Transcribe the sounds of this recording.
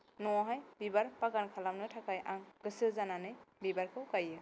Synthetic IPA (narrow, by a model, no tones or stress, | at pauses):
nɔɔɦajbibaɹpaɡankʰalamnɯtʰakajʔaŋɡ̥ɯsɯlzananɯjbibaɹkʰɯwkajɛ